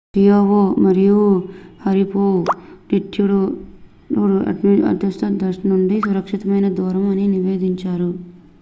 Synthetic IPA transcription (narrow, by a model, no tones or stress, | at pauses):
ʈijoːʋomɐɾijuhɐɾipoːʈiʈʰːjuɽu | uɽuɐ̰ʈiɐ̰d̪ɐst̪ɐd̪ɐɾʂɐnuɳɖisuɾɐkʂit̪ɐmɐjnɐd̪uːɾɐmɐniniʋeːd̪iɲt͡ʃaːɾu